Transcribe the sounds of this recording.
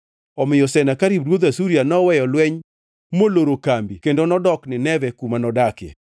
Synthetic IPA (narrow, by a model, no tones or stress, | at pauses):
ɔmɪjɔsɛnakaɾibɾwod̪asuɾianɔwɛjɔlwɛɲ | moloɾokambikendonɔdɔknɪnɛvɛkumanɔdakjɛ̰